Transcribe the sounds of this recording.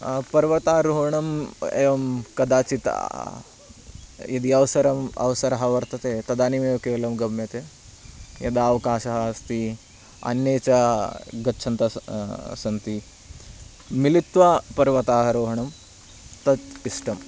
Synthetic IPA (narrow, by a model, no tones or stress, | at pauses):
pɐɾʋɐt̪aːɾoːɦɐɳɐmḛjɐmkɐd̪aːt͡ʃit̪a̰ | id̪iɐʋsɐɾɐmɐ̰ʋɐsɐɾɐɦɐʋɐɾt̪ɐt̪eːt̪ɐd̪aːnimeːkeːlɐmɡɐmjɐt̪eː | jɐ̰d̪aːʋɐkaːʃɐɦast̪i | ɐ̰njeːt͡ʃɐɡɐtːʃʰɐnt̪ɐsɐnt̪i | milit̪ʋaːpɐɾʋɐt̪aːɦɐɾoːɦɐɳɐm | t̪ɐt̪isʈɐm